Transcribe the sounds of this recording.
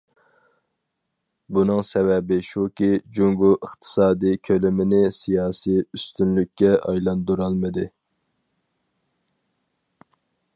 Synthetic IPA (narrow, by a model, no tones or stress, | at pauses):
bunɨŋsɛvɛbɪʃukʲid͡ʒuŋɡuəχt̪ʰɨ̥sɑːd̪ijkʲʰølɪmɪnɪsijɑːsijyst̪ynlykʲːɛɑjlˠɑnd̪uɾɑlˠmɨd̪ɨ